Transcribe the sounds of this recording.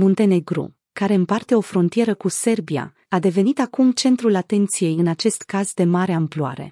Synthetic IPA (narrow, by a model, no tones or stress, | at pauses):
mont̪e̞ne̞ɡɾṵ | kaɾe̞ɨmpart̪e̞o̞fɾo̞nt̪ije̞ɾəkuse̞rbia̰ | ad̪e̞ve̞nit̪akumt͡ʃe̞nt̪ɾulat̪e̞nt̪sije̞jɨnat͡ʃe̞st̪kazd̪e̞maɾeamplua̰ɾe̞̰